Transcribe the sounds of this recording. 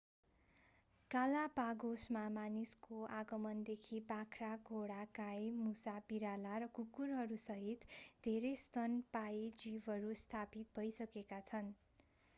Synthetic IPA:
kalapaɡosmamaniskoaɡʌmʌnd̪ekʰipakʰraɡʱoɽakajmusapiɾalaɾʌkukurɦʌɾusʌɦit̪d̪ʱeɾest̪ʌnpaied͡zibɦʌɾust̪ʰapit̪̚bʱʌjsʌkekat͡sʰʌn

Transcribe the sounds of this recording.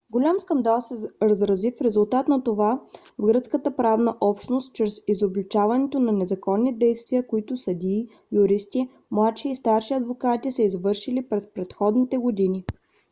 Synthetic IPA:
ɡolʲamskɐnd̪alˠsɛɾəzɾɐzifɾɛzʊlˠt̪at̪nɐt̪ovavɡɾɤt̪skət̪əpɾavnəʔɔpʃnost̪̚t͡ʃɾɛsizoblit͡ʃavɐnɛt̪onɐnɛzɐkɔnːid̪ɛjst̪viəkoit̪ʊsɐd̪ʲiː | jʊɾist̪i | mlˠat̪ʃiːst̪aɾʃiɐd̪vokat̪isɛizvɤɾʃilipɾɛspɾɛt̪xɔd̪nit̪ɛɡod̪inʲi

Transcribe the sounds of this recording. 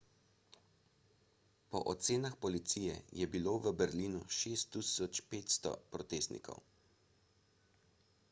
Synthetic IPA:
pɔ̰ʔɔt̪seːnaxpɔlit̪sijɛ̰jɛbiloːʋəbɛɾliːnuʃeːst̪ːisɔt͡ʃpeːt̪st̪ɔ̰pɾɔt̪eːst̪nḭkɔ̰w

